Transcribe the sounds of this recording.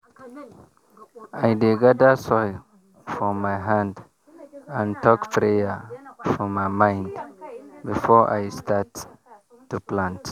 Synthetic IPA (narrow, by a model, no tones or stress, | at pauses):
ajdeɡadəsɔj | fɹɔ̃mːajɦãnd | ãntɔkpɹejəfɔmːajmãj̃ndbifɔʔa̰jstatː | uplãnt